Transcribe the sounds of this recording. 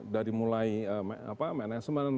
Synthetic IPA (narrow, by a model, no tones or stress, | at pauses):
daɾimulaiəm̰a̰pamanasəman